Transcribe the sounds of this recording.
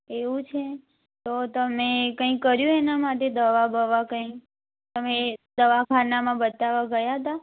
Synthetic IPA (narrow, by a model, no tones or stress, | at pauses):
eʋũt͡ʃʰe | t̪ot̪əmekə̃ĩkːəɾjũenamaʈed̪əʋabʱəʋakə̃ĩk | t̪əmed̪əʋakʰanamãbət̪aʋaɡəjaɦət̪a